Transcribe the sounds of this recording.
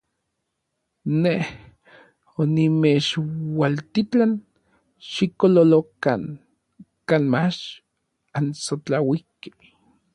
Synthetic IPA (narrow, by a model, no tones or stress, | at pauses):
neh | onimet͡ʃwalt̪it͡ɬan | ʃikololokan | kaːnmat͡ʃ | ansot͡ɬawike̥